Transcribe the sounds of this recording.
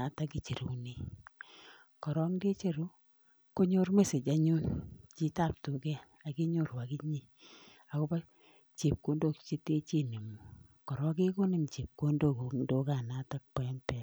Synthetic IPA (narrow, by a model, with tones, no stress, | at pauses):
a˨˦ta˦ki˦˨t͡ʃe˨ɾu˨ni˦ | kɔ˨ɾɔ˦ŋde˦t͡ʃe˦ɾu˦ | ko˦ɲo˦rme˦se˨d͡ʒa˨ɲu˦nt͡ʃi˦ta˦˨p̚to˨kɛ˦ | a˨ki˦ɲo˦˨ɾwa˨ki˦ɲi˦ | a˨ko˦pa˦ | t͡ʃe˨p̚ko˦ndo˦˨kt͡ʃe˦te˦t͡ʃi˦ni˨mu˨ | kɔ˨ɾɔ˦k̬e˦ko˦ni˦˨nt͡ʃe˨p̚ko˦ndo˦˨ko˨do˦ka˨na˨˦ta˦k̚pe˨˦mpɛ˨